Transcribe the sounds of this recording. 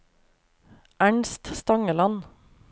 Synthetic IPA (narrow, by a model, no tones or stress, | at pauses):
ʔæɳst̪st̪ɑŋəlɑn